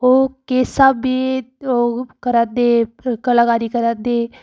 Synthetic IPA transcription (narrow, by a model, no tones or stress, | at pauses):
oːkeːsaːbiːokəɾad̪ekəlaːɡaːɾiːkəɾad̪eː